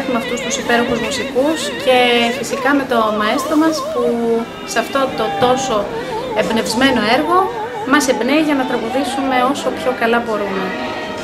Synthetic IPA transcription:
tumeɐft̪ust̪usipe̞ɾo̞xuzmusikusce̞fisikɐme̞t̪o̞mɐe̞st̪ɾo̞mɐspu | seɐft̪o̞t̪o̞t̪o̞so̞ | ebne̞vzme̞no̞e̞ɾɣo̞ | mɐse̞bneiʝɐnɐt̪ɾɐɣuðisume̞o̞so̞pço̞kɐlɐbo̞ɾume̞

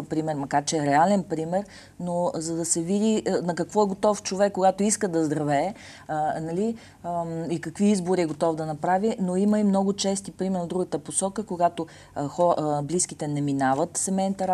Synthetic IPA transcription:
pɾimɛɾmɐkaɾt͡ʃɛɾɛalɛnpɾimɛɾ | nozɐd̪ɐsɛvid̪inɐkɐkvɔɛɡot̪ɔft͡ʃovɛkːoɡat̪oiskəd̪ɐzd̪ɾɐvɛː | nɐli | ikɐkviizboɾiɛɡot̪ɔvd̪ɐnɐpɾavinoiməimnɔɡʊt͡ʃɛst̪ipɾimɛɾnvd̪ɾuɡət̪əposɔkəkoɡat̪o | xɔbliskit̪ɛnɛminavət̪sɛmɛnt̪ɐɾ

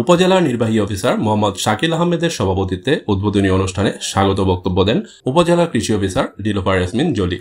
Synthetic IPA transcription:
upod͡ʑelaɾniɾbaɦiɔfʰisaɾmoɦamːɔd̪ʃakilaɦɔmːed̪eɾʃɔbʱapot̪it̪ːeud̪̚bʱod̪onioonuʃʈʰaneʃaɡot̪obɔk̚t̪obːod̪ɛn | upod͡ʑelakɾiʃiɔfisaɾɖilofaɾɾasmind͡ʑolḭ

